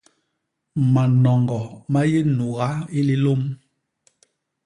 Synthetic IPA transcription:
ma˨nɔ˨ŋɡɔ˨ma˦je˦nu˨ɣa˦i˦li˦lo˦m

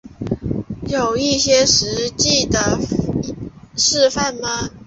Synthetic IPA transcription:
jo˨˩ʊi˥˩˨ɕjɛ˥ʂɻ̩˧˦˥t͡ɕi˥˨d̪ə˨ | ʂɻ̩˥˧fa˥˨nma˨

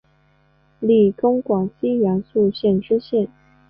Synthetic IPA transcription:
li˥˩kʊ˥ŋkwɑ˨˩ŋɕi˥jɑ˧˥ŋsu˥˧ɕjɛ˥˩nʈ͡ʂɻ̩˥ɕjɛ˥˩n

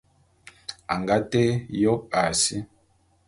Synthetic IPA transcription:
a̰˨ŋɡa˦te˦jɔ˦p̚a˨si˦

